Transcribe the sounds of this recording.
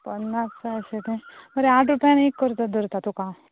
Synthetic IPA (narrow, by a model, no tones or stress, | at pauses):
pənːasaset̪ẽməɾeaːʈʰɾupjanekːəɾt̪ad̪ʱəɾt̪at̪uka